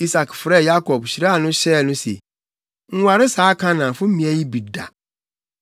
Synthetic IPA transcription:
i˦sa˨kfɾɛ˦˨ja˦kʰɔ˨bɕi˨ɾa˦˨nʊ̃˦ɕɛː˦˨nʊ̃˦sḛ˨ | ŋ̩˦wa˨ɾɪ˦saː˨˦kʰã˦nã˨fʊ̃˦m̩˦mĩ˦æ˦ji˦bi˨da̰˨

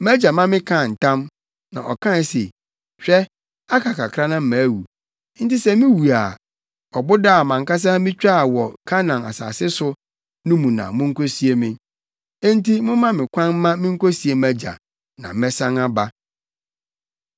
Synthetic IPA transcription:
mæ˦d͡ʑa˨mã˦mɪ̃˦kʰã˦˨n̩˨tã˦m | nã̰˨ʔɔ˨kʰã˦n˨˦sḛ˨ | ɕᶣɛ˦ | a˦kʰa˨kʰa˨kʰɾa˦nã˦m̩˦˨mæ̃˨˦wu˨˦ | n̩˦tɪ˦sɛ˦mĩ˦wu˨a˨ | ɔ˨bʊ˦da˦˨mã˨ŋka˦s̬a˦mĩ˦t͡ɕᶣa˦˨wɔ˨kʰa˦nã˨a̰˨sa̰ː˨sɪ˦sʊ˦ | nʊ̃˦mũ˨nã̰˨mʊ̃˦ŋ̩˦ko˦si˦e˦mɪ̃˦ | ɛ̃˦n̩˦tʰi˦mʊ̃˦mã˦mɪ̃˨kʷʰã˦nː˦ã˦mɪ̃˦ŋ̩˦ko˦si˨˦e˨mæ˦d͡ʑa̰˨ | nã̰˨m˦mɛ˦sã˦ŋa˦ba˦

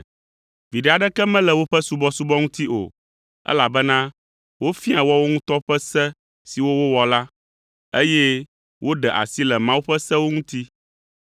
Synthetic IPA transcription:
vi˨ɖɛ˦˨a˨ɖɛ˦kɛ˦mɛ̃˦lɛ˨wo˦ɸɛ˦su˦bɔ˦su˦bɔ˦ŋũ˦t̪i˦ʔo̰˨ | ɛ̰˦la˨bɛ˦nã˦ | wo˦fi˦a˨wɔ˦wo˦ŋũ˦t̪ɔ˦ɸɛ˦sɛ˦ | si˨wo˦wo˦wɔ˨la˦ | e˦jɛ˦ | wʔo˦ɖɛ˨ʔa̰˨si˦lɛ˨mã˦wo˦ɸɛ˦sɛ˦wo˦ŋũ˦t̪i˦

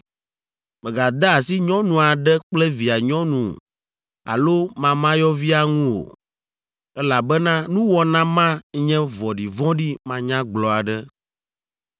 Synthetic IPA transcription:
mɛ̃˨ɡa˨d̪a˦˨si˦ɲɔ̃˦nũ˨a˨ɖɛ˦k͡plɛ˦vi˨a˨ɲɔ̃˦nṵ̃˨ | a̰˨lo˦mã˨mã˦jɔ˦vi˦a˦ŋũ˦o̰˨ | ɛ˦la˨bɛ˦nã˦nũ˦wɔ˦nã˦mã˦ɲɛ̃˦vɔ˨ɖi˨vɔ̃˦ɖi˦mã˦ɲã˦ɡ͡blɔ˨a˨ɖɛ˦

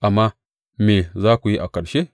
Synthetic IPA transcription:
ʔa˨mːa˦ | me˨zaː˦ku˨ji˦ʔa˨kɐ˨ɾʃe˦

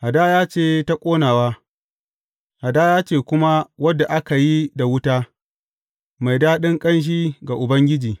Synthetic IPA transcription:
ha˨da˦jaː˦t͡ʃeː˦˨ta˦kʷʼoː˦naː˨waː˦ | ha˨daː˦jaː˦t͡ʃeː˦kʷʊ˦ma˦wɐ˦dːa˨ʔa˦ka˨ji˦da˨wʊ˦taː˦ | ma˨jdaː˦ɗɪ˦ŋkʼɐ˦nʃ̬iː˦ɡa˨ʔʊ˨bɐ˦ŋɡʲɪ˦d͡ʒiː˨

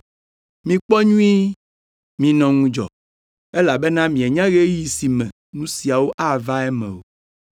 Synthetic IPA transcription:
mĩ˨k͡pɔ˦ɲũ˦i˦ | mĩ˨nɔ̃˨ŋũ˦d͡ʒɔ̰˨ | e˦la˨be˦nã˦mĩ˨e˨ɲã˦ɣe˦ji˨si˨mɛ̃˨ | nũ˦si˨a˨wo˦ʔa˦˨va˦ɛ˦mɛ̰̃˨o˨

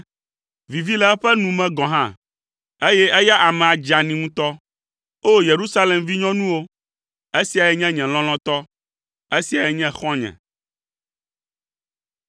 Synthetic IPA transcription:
vi˨vi˦lɛ˦ɛ˦ɸɛ˦nũ˨mɛ̃˨ɡɔ̃˨ɦã˦ | e˦jɛ˦ʔe˦ja˦ʔa˨mɛ̃˨a˨d͡ʒa˨nĩ˨ŋũ˦t̪ɔ˦ | o˦je˨ɾu˦sa˦le˨mvi˦ɲɔ̃˦nũ˦wo˦ | e˦si˨a˨jɛ˦ɲɛ̃˦ɲɛ̃˨l̃ɔ̃˦l̃ɔ̃˦t̪ɔ˦ | e˦si˨a˨jɛ˨ɲɛ̃˦xɔ̃˦ɲɛ̰̃˨

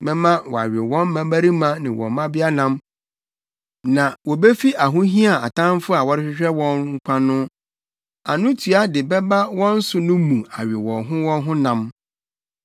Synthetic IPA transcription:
bɛ˦mã˦wɔ̰˨a̰˨ɥɪ˨wɔ̃˦m˦mã˦bæ˦ɾi˦mã˦nɪ̃˨wɔ̰˨mã˦bɪ˦a˦nã˦m | nã˨wɔ˨be˦fi˦ʔa˨ɦʊ̃˦ɦĩ˦a˨a̰˨tʰã˦n˦fʊ˦a˨wɔ˦ɾɪ˦ɕᶣɪ˦ɕᶣɛ˦wɔ̃˦nŋ̩˦kʷʰã˦nʊ̃˦ | a˨nʊ̃˦tʰu˨a˦dɪ˨bɛ˦ba˦wɔ̃˦n̩˦sʊ˦nʊ̃˦mũ˨a˨ɥɪ˨wɔ̃˨nɦʊ̃˦wɔ̃˦nɦʊ̃˦nã˨m

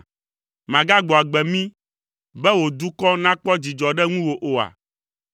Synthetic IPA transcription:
mã˨ɡa˦ɡ͡bɔ˨a˨ɡ͡bɛ˨mĩ˦ | bɛ˦wo˨d̪u˦kɔ˦nã˦k͡pɔ˦d͡ʑi˨d͡ʒɔ˨ɖɛ˦ŋũ˦wo˨ʔo˨a̰˨

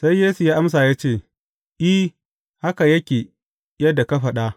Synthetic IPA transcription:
sa˦jːeː˦su˨jaː˦ʔa˦ms̬aː˨jaː˦t͡ʃeː˦˨ | ʔi˦ | ha˦ka˨jɐ˦kʲeː˨ | jɐ˦da˨ka˦ɸɐ˨ɗa˦

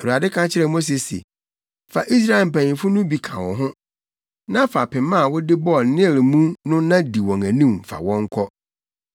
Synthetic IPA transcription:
ɛ˨a˨dɪ˦kʰã˦t͡ɕʰɪ˦ɾɛ˦˨mo˦s̬e˨sḛ˨ | fa˨ʔi˦s̬ɾa˦ɪ˨m̩˨pæ̃˨ɲĩ˨fʊ˦nʊ̃˦bi˨kʰã̰˨wɔ̰̃˨ɦʊ̃˦ | nã˦fa˨pʰɪ̃˨mã˦˨wʊ˦dɪ˦bɔ˦˨nɪ̃˦˨lmũ˦nʊ̃˦nã˦di˨wɔ̃˨ŋæ̃˨nĩ˦m˨fa̰˨wɔ̃˦ŋ˦kʰɔ˦

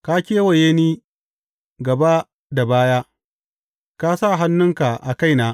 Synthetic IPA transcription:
ka˦kʲeː˦wɐ˨jeː˦niː˦ | ɡɐ˨ba˦ | da˨baː˦jaː˦ | ka˦sa˦˨ɦa˦nːʊ˦ŋka˨ʔa˨ka˦˨jnaː˦

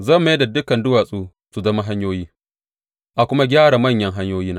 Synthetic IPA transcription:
zɐ˦˨mː˨˦jda˨dʊ˦kɐ˨ndʊ˦waː˨sʼuː˦ | su˨zɐ˦ma˦ɦa˦ɲjoː˦jiː˦ | ʔa˨kʷʊ˦ma˦ɡʲaː˦ɽa˨mɐ˦˨ɲjɐ˦ŋɦa˦ɲjoː˦jiː˦naː˦

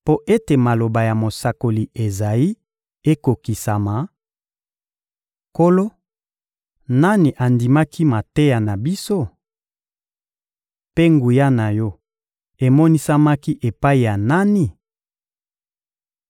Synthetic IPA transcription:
po˦ʔe˦te˨ma˨lo˨ba˨ja˨mo˨sa˨ko˨li˨ʔe˨za˨i˦ | e˦ko˨ki˨sa˨ma˨ | ko˦lo˦ | na˦ni˨ʔa˨ndi˨ma˦kʰi˦ma˨te˦ja˨na˨bi˦so˦ | pe˦ŋɡu˨ja˦na˨jɔ˦ | e˨mɔ˦ni˦sa˦ma˦ki˦ʔe˨pa˦i˨ja˨na˦ni˨

